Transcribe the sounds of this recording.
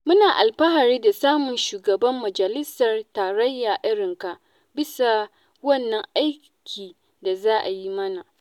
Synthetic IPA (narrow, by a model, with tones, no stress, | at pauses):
mʊ˦naː˨ʔa˨lɸɐ˦ɦa˨ɾiː˦da˨saː˦mʊ˨nʃuː˨ɡɐ˨bɐ˦mːɐ˨d͡ʒɐ˨lɪ˦sɐ˨rtaː˨ɾɐ˦jːaː˨ʔɪ˦ɽɪ˨ŋka˨ | bɪ˦sa˨ | wɐ˦˨nːɐ˦ŋʔa˦j | kʲʰiː˨ | da˨zaː˦ʔa˨ji˦mɐ˦na˨